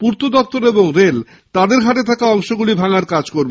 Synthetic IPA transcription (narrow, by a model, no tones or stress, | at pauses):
puɾt̪od̪ɔk̚t̪oɾeboŋɾel | t̪ad̪eɾɡʱaʈet̪ʰakaɔŋʃoɡulibʱaŋaɾkad͡ʑkoɾbo